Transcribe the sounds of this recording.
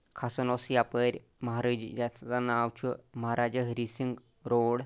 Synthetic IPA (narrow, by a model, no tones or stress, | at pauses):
kʰasɐnosjapəɾʲ | məɦaɾəd͡ʒid͡ʒasanawt͡ʃʰumɐɦaɾad͡ʒəɦɾisiŋɡ | ɾoɽ